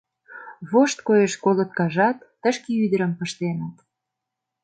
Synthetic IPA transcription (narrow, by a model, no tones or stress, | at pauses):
βoʃt̪̚kojeʃkolət̪kɑʒɑt̪ːəʃkeyd̪əɾə̆mpə̆ʃt̪enət̪